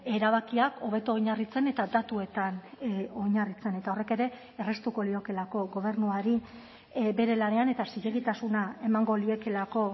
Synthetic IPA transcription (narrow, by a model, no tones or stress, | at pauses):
e̞ɾaβ̞akiako̞β̞e̞t̪oojɲarit͡se̞ne̞t̪ad̪at̪ue̞t̪ano̞jɲarit͡se̞ne̞t̪ao̞re̞ke̞ɾe̞ː | re̞st̪uko̞lio̞ke̞lako̞ɣo̞β̞e̞ɾnuaɾi | be̞ɾe̞lane̞ane̞t̪asiʎe̞ɣit̪asunae̞maŋɡo̞lio̞ke̞lako̞